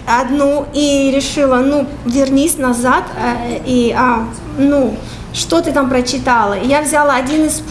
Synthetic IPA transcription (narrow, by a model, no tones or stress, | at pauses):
ɐd̪nuiɾʲɪʂɨlˠənu | vʲɪrnʲisʲnɐzat̪ia | nu | ʂt̪ot̪ɨt̪ampɾət͡ɕːɪt̪alˠəijavzʲalˠəɐdʲinɨsp